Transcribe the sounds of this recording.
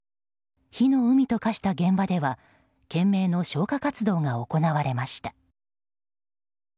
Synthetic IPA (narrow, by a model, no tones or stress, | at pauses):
çino̞ɯ̟mʲit̪o̞kaɕi̥t̪aɡẽ̞mbad̪e̞βa | kẽ̞mːe̞ːno̞ɕo̞ːkakat͡sɨd̪o̞ːŋao̞ko̞naβaɾe̞maɕi̥t̪ḁ